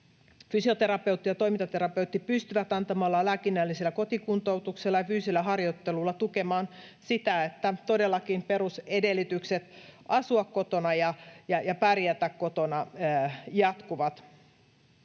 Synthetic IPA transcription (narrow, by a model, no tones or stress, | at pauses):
fysiot̪eɾɑpeuwt̪ːijɑt̪o̞imint̪ɑt̪eɾɑpeut̪ːipyst̪yʋæt̪ɑnt̪ɑmɑlːɑlæːkinːælːiselːæko̞t̪ikunt̪out̪ukselːɑjɑfyːsilːæhɑrjot̪ːelulːɑt̪ukemɑːnsit̪æet̪ːæt̪odelːɑkinpeɾusedelːˑit̪ykset̪ʔɑsuɑkkot̪onɑjɑjɑjɑpærjæt̪ækkot̪onɑ | jɑt̪kuʋɑt̪